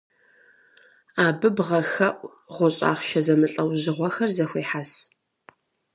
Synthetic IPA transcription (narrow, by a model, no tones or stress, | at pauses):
aːbɨbʁɐxɐʔʷʼ | ʁʷɔɕʼa̰ːχʃɐzɐmɨɬʼɐwʑɨʁʷɔxɐrzɐxʷeːħas